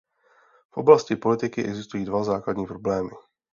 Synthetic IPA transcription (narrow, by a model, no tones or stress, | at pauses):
fʔo̞̰blascɪpo̞lɪt̪ɪkɪʔɛɡzɪst̪ujiːdvazaːkladɲiːpɾo̞blɛːmɪ